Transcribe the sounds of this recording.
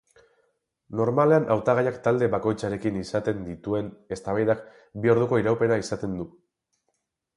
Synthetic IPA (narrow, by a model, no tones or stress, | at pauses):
no̞ɾmale̞anʔawt̪aɣ̞ajakt̪ald̪e̞βako̞jt͡saɾe̞kinisat̪e̞nd̪it̪ue̞ne̞st̪aβ̞ajðak | bio̞ɾð̞uko̞iɾawpe̞ɾaisat̪e̞nd̪u